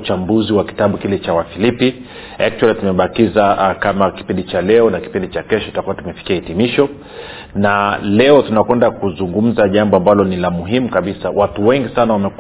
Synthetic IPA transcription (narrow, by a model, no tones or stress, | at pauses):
t͡ʃambuziwaki̥taɓukilɛt͡ʃawafilipi | a̰k̚t͡ʃualitumɛɓakizakamaki̥pindit͡ʃalɛɔnaki̥pindit͡ʃakɛʃɔitakuwatumɛfi̥kiaitimiʃɔ | nalɛɔtunakwɛndakuzuŋɡum̩zaʄambɔambalɔnilamuɦimukaɓisawatuwɛŋɡisanawamɛk